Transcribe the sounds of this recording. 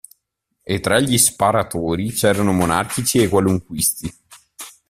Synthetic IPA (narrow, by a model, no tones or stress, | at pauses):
et̪ːɾaʎːispaɾat̪oːɾit͡ʃɛːɾanomona̰rkit͡ʃiekwaluŋkwist̪i